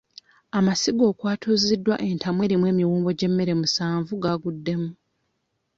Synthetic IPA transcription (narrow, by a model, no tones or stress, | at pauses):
amasiɡo̞ːkwaːtʰuzidːwa̰ʔe̞ntʰamwe̞ːɾimwe̞ːmiwuːmbo̞ɟe̞mːe̞ɾe̞musaːɱvuɡaɡudːe̞mu